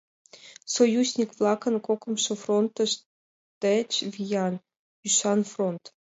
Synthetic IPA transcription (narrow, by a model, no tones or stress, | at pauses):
sojuzʲnʲikvlˠɑkɤ̆nkokɤ̆mʃŏfront̪ə̆ʃ | t̪ət͡ɕvʲijɑn | yʃɑnfront̪